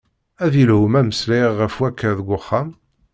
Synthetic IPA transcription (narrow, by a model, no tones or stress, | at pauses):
æðilhʊmæməsliːəfwækʰːæðəɡʷʊχːam